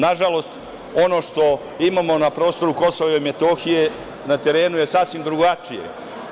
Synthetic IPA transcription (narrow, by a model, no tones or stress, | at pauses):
naʒalo̞st̪ | o̞no̞ʃt̪o̞ | imamo̞napɾo̞ːst̪o̞ɾuko̞soʋeime̞t̪o̞xije̞ | nat̪e̞ɾe̞ːnuje̞saːsʋimd̪ɾuɡat͡ʃijḛ